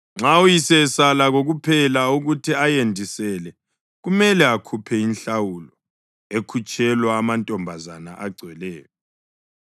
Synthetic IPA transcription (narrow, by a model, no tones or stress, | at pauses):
ŋ͡ǁawujisɛsalaɣoɣupʰɛlauɣutʰiajendʱisɛlɛ | ɣumɛlɛakʰupʰɛinɬawulɔ | ekʰut͡ʃʼɛlwaːmantʼɔmbʱazanaʔaɡ͡ǀʱwɛlɛːjɔ